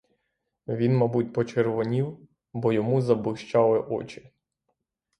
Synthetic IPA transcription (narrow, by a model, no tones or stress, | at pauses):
ʋʲinmɐbut̚ʲpɔt͡ʃerʋɔnʲiw | bɔjɔmuzɐblˠɪʃt͡ʃɑlˠɪʔɔ̰t͡ʃɪ̥